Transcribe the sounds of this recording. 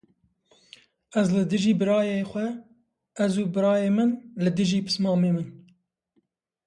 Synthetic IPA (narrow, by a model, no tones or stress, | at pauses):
ɛzlɨd̪ɨʒiːbɨɾɑːjeːxʷɛ | ɛzuːbɨɾɑːjeːmɨnlɨd̪ɨʒiːpʰɨ̥smɑːmeːmɨn